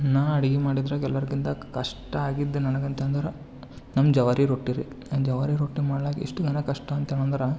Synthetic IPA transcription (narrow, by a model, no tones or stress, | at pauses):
naːɐɽiɡimaːɽid̪ɾɐkɛlʋɐɾɐkint̪ɐkɐʂʈɐaːɡid̪ːenɐnɐɡɐnt̪eɐnd̪ɐɾɐ | nɐmːd͡ʒɐʋɐɾiɾoːʈːiɾi | d͡ʒɐʋɐɾiɾoːʈːimaːɽɐlaːkḭʂʈuɡɐnɐkɐʂʈɐːnt̪eɳɐnd̪ɐɾɐ